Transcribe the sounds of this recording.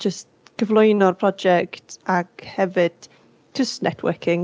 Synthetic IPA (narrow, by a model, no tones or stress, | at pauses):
d͡ʒəst | ɡ̥əvlˠʊjnɔrpʰrɔd͡ʒɛktʰakhɛvɨd̥ | tʰəsnɛ̰tʰwə̰kʰɪŋ